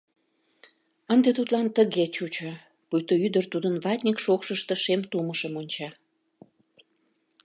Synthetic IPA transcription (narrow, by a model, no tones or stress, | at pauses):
ənd̪et̪ut̪lɑnt̪əɣet͡ɕut͡ɕo | pujt̪oyd̪ərt̪ud̪ənβɑt̪ʲnʲikʃokʃəʃt̪ə̆ʃemt̪uməʃəmonʲt͡ɕɑ